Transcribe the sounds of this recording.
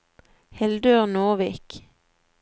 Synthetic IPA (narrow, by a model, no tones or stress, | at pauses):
hɛld̪øːʁnoːʋiːk